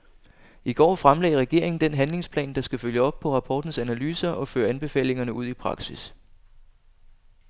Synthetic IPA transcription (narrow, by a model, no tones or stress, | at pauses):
iɡ̥ɒ̰ːfʁamlɛ̰ɪɐʁɛɡ̥e̝ɐ̰e̝ŋn̩d̥enɦænle̝ŋspʰlɛ̰ːnd̥ɑ̈sɡ̥æføljəɒ̽b̥̚pʰɒ̽ʁɑ̈pʰɒ̰ːd̥n̩sænælyːsɐʔɒ̽fø̰ːɐænb̥e̝fɛ̰ːle̝ŋɐnəʔuð̰ˠipʰʁɑ̈ɡ̥sis